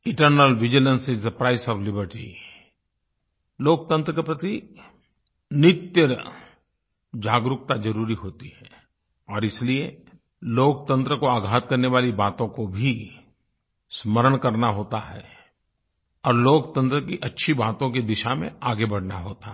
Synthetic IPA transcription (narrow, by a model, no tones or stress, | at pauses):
ɪ̃ʈəɾnəlʋɪd͡ʒɪlə̃nsɪd͡ʒd̪əpɾaːɪsɔːflɪbəɾʈḭ | loːk̚t̪ə̃nt̪ɾəkepɾɐt̪i | nɪt̪jəɾ | d͡ʒaːɡɾʊk̚t̪ad͡ʒɐɾuːɾiɦoːt̪iɦɛː | ɔːɾɪslie | loːk̚t̪ə̃nt̪ɾəkoaːɡʱaːt̪̚kɐɾneʋaːlibaːt̪õkobʱi | sməɾəɽ̃kɐɾnaɦoːt̪aɦɛ̰ː | ɔːɾloːkt̪ə̃nt̪ɾəkiʔɐtːʃʰibaːt̪õkid̪ɪʃamḛ̃aːɡebɐɽ̤naɦoːt̪a